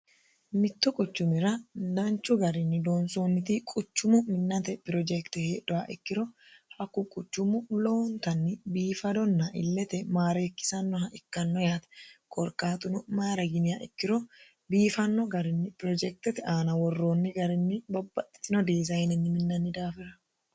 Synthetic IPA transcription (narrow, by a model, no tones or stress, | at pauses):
mɪt̪ːʊkʼʊt͡ʃːʊmɪɾɐd̪ɐnt͡ʃːʊɡɐɾɪnːɪd̪oːnsoːnːɪt̪ikʼʊt͡ʃːʊmʊmɪnːɐt̪ɛpɪɾɔd͡ʒɛkt̪ɛheːᶑɔaʔɪ̰kːɪɾɔ | hɐkːʊkʼʊt͡ʃːʊmʊlo̞ːnt̪ɐnːɪbiːfɐd̪ɔnːaʔɪ̰lːɛt̪ɛmaːɾeːkːɪ̥sɐnːɔhɐʔɪkːɐnːɔjaːt̪ɐ̥kʼɔɾkʼaːt̪ʊnʊmaːɾɐɡɪnɪjaʔɛ̰kːɪɾɔ | biːfɐnːɔɡɐɾɪnːɪpɪɾɔd͡ʒɛk̚t̪ɛt̪ɛaːnɐwɔrːo̞ːnːɪɡɐɾɪnːɪbɐbːɐt̪ːɪ̥t̪ɪnɔd̪iːzɐjɪnɛnːɪmɪnːɐnːɪd̪aːfɪɾɐ̥